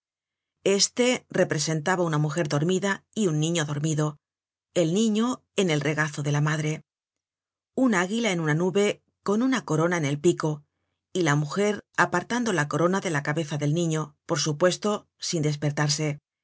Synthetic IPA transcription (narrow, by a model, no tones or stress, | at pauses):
e̞st̪e̞re̞pɾe̞se̞nt̪aβaunamuxe̞ɾðo̞ɾmiðaiunːĩɲoðo̞ɾmiðo̞ | e̞lnĩɲo̞ | e̞ne̞lre̞ɣaθo̞ðe̞lamaðɾe̞ | unaɣilaenunanuβe̞ | ko̞nunako̞ɾo̞naene̞lpiko̞ | ilamuxe̞ɾapaɾt̪and̪o̞lako̞ɾo̞naðe̞lakaβe̞θaðe̞lnĩɲo̞po̞ɾsupwe̞st̪o̞ | sind̪e̞s̬pe̞ɾt̪aɾs̬e̞